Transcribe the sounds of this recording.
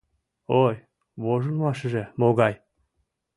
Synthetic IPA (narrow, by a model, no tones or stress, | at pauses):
oj | βoʒə̆nmɑʃə̆ʒĕmoɡɑj